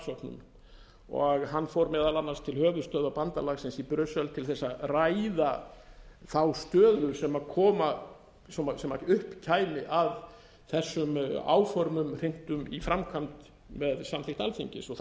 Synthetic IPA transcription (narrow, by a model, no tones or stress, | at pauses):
sɔknʏ̰m | ɔ̰ɣɦanːfɔɾmɛːðalanːaɾ̥st̪ʰɪlhœːɣʏɾ̥st̪œːðapant̪alaɣsɛnsipɾœsœlt̪ʰɪlθɛsːaraːjða | θawst̪œːðʏsɛmakʰɔːma | sɔmasɛmaʏhpcʰaːjnɪʔað | θɛsːʏma̰ːwfɔɾmʏmr̥eŋ̥t̪ʏmifɾamkʰamt̪ | mɛðsamlɪht̪alfiɲcɪ̰sɔ